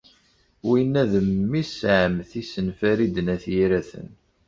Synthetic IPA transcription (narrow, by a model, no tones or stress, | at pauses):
winːæðəmːisʕəmθisənfæɾid̪ənæθjiɾæθə̰n